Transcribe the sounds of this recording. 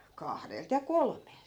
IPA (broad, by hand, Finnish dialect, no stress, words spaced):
kɑhdelt jɑ kolmˑelt